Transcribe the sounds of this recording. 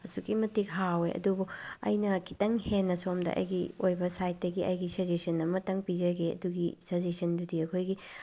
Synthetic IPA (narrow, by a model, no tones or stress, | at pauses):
ɐsukimɐtikɦaweʔɐ̰dubuɐ̰jnɐkʰi̥tɐŋhenːɐsomdɐ̰ʔɐ̰jɡiojbɐsajt̚dɐɡiʔɐ̰jɡisɐzesɐnːɐmɐtɐŋpid͡ʒɐɡeɐ̰duɡisɐzesɐndudiɐkʰojɡi